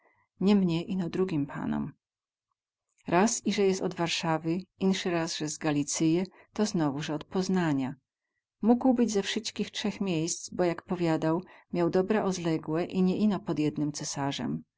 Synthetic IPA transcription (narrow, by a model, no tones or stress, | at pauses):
ɲɛmɲɛʔinɔd̪ɾuɡʲimpʰa̰nɔ̰m | ɾʔasiʐɛjɛst̪ɔd̪vaɾʂavɘʔinʂɘɾasʐɛzɡalʲit̪sɘjɛ | t̪ɔznɔvuʐɛɔt̪̚pɔznaɲa | muɡwbɘd͡ʑzɛfʂɘst̪kʲixtʂɛxmʲjejst̪zbɔjakpɔvʲjad̪awmʲjawd̪ɔbɾɛʔɔd̪lɛɡwɛʔiɲɛʔinɔpɔd̪ʲjɛd̪̚nɘmt̪sɛsaʐɛ̰m